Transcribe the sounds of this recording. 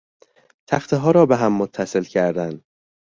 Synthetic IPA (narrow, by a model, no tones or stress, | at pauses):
t̪ʰæxt̪ʰeɦɒːɾɒːbeɦæmːot̪ʰːæse̞lcʰæɾd̪ænd̪